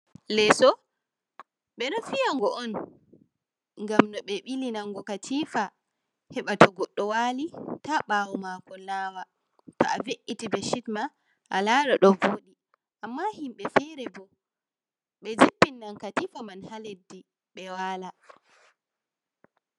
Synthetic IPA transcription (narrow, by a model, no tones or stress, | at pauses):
lɛsɔ | ɓɛnɔnfijaŋɡɔʔɔn | ŋɡamnɔɓɛɓilinaŋɡɔkatʰiːfa | hɛɓatɔɡɔɗːɔwalitaɓawɔmakɔlaːwa | tɔ̰aveʔːitibɛʃitma | ʔalaːɾaɗɔvoːɗi | ʔamːahimɓɛfɛɾɛbɔ | ɓɛd͡ʒipːinːankatifamanhaledːi | ɓɛwaːla